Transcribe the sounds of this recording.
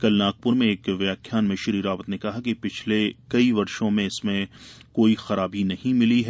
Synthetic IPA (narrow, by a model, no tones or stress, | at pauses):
kɐlnaːk̚pʊɾmẽeːkʋjaːkʰjaːnmẽʃɐɾiːɾaːʋət̪nekɐɦakepɪt͡ʃʰlekɐiʋɐɾʃõmẽɪsmẽkoːixɐɾaːbinɐhĩmɪliɦɛ